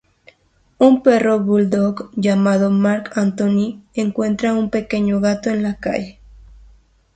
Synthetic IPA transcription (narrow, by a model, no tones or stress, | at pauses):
umpe̞ro̞βuld̪okʝamaðomaɾkant̪onieŋkwe̞nt̪ɾaumpe̞keɲoɣat̪oenlaka̰ʝe